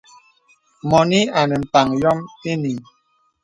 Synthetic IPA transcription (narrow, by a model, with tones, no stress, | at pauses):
mɔ˨ni˦a˨nɛ˨m̩˨ta˨ŋjɔ˦me˦ni˨m